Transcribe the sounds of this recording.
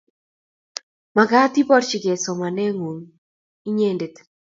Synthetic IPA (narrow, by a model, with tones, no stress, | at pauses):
ma˨ɡa˦t̪i˦pɔ˦ɾt͡ʃi˨ɡe˨sɔ˨ma˨nɛ˦ŋu˨ŋ | i˦ɲe˦˨nde˨t̪